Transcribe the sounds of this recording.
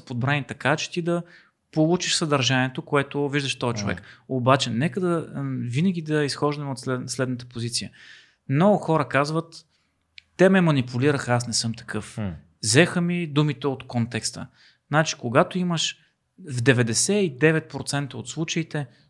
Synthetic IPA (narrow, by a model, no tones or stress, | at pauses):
pod̪̚bɾanit̪ɐkat͡ʃɛ̥t̪id̪ɐ | polˠut͡ʃiʃsəd̪ɐɾʒaniɛt̪okoɛt̪oviʒd̪əʃt̪ɔɛt͡ʃovɛ̰kobat͡ʃɛnɛkəd̪ɐvinəɡ̟ʲid̪ɐisxɔʒd̪əmot̪sɛslɛd̪nət̪ə̥pozit̪sijə | mnɔɡʊxɔɾəkazvət̪ː | ɛmɛmɐnipʰuliɾəxasnɛsɤmt̪ɐ̥kɤf | zɛxəmid̪umit̪ɛot̪kont̪ɛkst̪ə̰ | nat͡ʃi̥koɡat̪oiməʃ | vd̪ɛvɛd̪ɛsɛid̪ɛvɛt̪̚pɾot̪sɛnt̪əot̪slˠut͡ʃəit̪ɛ